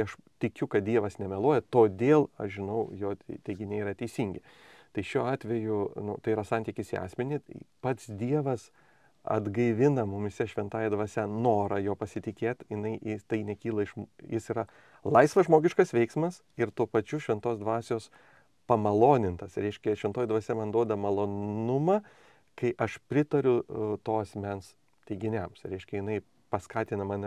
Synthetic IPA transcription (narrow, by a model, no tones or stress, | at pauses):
ɐʃ | t̪ʲɪkʲʊkɐt̪̚d̪ʲiɛʋɐsnʲɛmʲɛlˠoːjɛt̪oːd̪ʲeːlˠɐ̰ʃʒʲɪnɐʊjoːt̪ʲɛɪɡʲɪnʲeiɾɐt̪ʲɛɪsʲiŋʲɡʲɪ | t̪ɐɪʃʲuːɑːt̪ʲʋʲɛjʊnʊt̪ɐɪiːɾɐsɑnʲt̪ʲikʲɪsiɑ̰ːsʲmʲɛnʲɪpɐt̪sd̪ʲiɛʋɐs | ɐ̰d̪ɡɐɪʋʲɪnɐmʊmʲɪsʲɛʃʲʋʲɛnt̪ɑːjɛd̪ʋɐːsʲɛnoːɾɐjoːpɐsʲɪt̪ʲɪkʲeːt̪jɪnɐɪɪt̪ɐɪnʲɛkʲiːlˠɐɪʃmjɪsiːɾɐ | lˠɐɪsʋɐʒmoːɡʲɪʃkɐsʋʲɛɪksmɐs | ɪɾt̪uːpɐt͡ʃʲʊʃʲʋʲɛnt̪oːsd̪ʋɑːsʲoːs | pɐmɐlˠoːnʲɪnt̪ɐsɾʲɛɪʃʲkʲɛʃʲʋʲɛnt̪oːjɛd̪ʋɐsʲɛmɐnd̪uɔd̪ɐmɐlˠoːnʊmɐ | kɐɪʔɐʃpʲɾʲɪt̪ɐɾʲʊt̪oːɐsʲmʲɛns | t̪ʲɛɪɡʲɪnʲɛmsɾʲɛɪʃʲkʲɛjɪnɐɪ | pɐskɑːt̪ʲɪnɐmɐnʲ